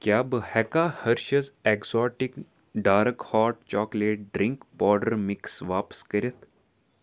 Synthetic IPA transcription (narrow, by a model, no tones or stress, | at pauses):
kjaːbəhɛkahɐɾʃɐzɛkzɔːʈik | ɖaːɾəkhɔːɾʈ̚t͡ʃɔːkleːʈ̚ɖɾiŋkbɔːɾɖəɾmiksʋaːpə̥skəɾʲət̪